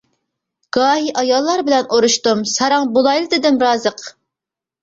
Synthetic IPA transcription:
ɡ̥ɑːɦiʔɑjɑlˠːɑɾbɪlɛnʔoɾuʃt̪umsɑɾɑŋbolˠɑjlˠɨd̪ɨɪd̪ɪmɾɑːzəq

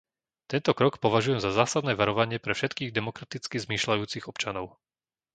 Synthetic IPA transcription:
t̪ɛnt̪ɔkɾɔkpɔʋaʒujɛmzazaːsad̪nɛːʋaɾɔʋaɲɪɛpɾɛfʃɛt̪kiːɣd̪ɛmɔkɾat̪it͡skizmiːʃlajuːt͡siɣɔpt͡ʃanɔʊ

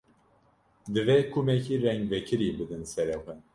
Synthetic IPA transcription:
d̪ɨvekʰumɛkʰiːrɛŋɡvɛkʰɨɾiːbɨd̪ɨnsɛɾɛxʷɛn

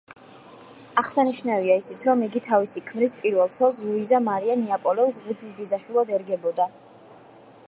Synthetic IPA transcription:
aχsaniʃnaviaisit̪sʰɾɔmiɡit̪ʰavisikʰmɾispʼiɾvɛlˠt̪sʰɛlˠs̬luizamaɾianiapʼɔlɛulˠs̬ʁid̪ʰisbizaʃwilˠad̪ɛɾɡɛbɔd̪a

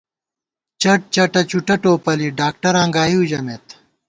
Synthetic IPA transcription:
t͡ɕɐʈ̚t͡ɕɐʈɐt͡ɕuʈɐʈoːpɐliɖaːk̚ʈɐɾãːŋɡaːiud͡ʑɐmet̪

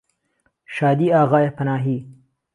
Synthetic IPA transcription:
ʃɑːd̪iɑːɣɑjepɐnɑːɦi

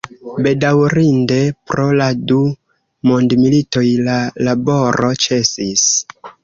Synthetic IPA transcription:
be̞dawɾinde̞pɾo̞ladu | mondmilito̞jlalabo̞ɾo̞t͡ʃe̞sis

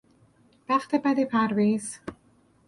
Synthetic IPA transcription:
væχt̪ʰebæd̪ipʰæɾviːz̥

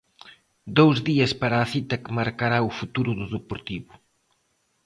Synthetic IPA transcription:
d̪owzðiɐspaɾaːθit̪ɐkmaɾkaɾaufut̪uɾʊðʊðɨpoɾt̪iβʊ

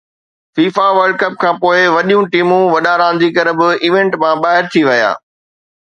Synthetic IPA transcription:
fiːfaʋɐɾɖkɐp̚kʰãːpoːɪʋɐɗijũʈiːmũʋɐɗaɾãːn̆d͡ʑikɐɾ̆bɪiːʋẽɳʈmãɓaːɦɪɾt̪ʰiʋɐja̰ː

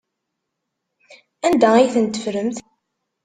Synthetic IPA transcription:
ænd̪æiθənt̪ə̥fɾəmθ

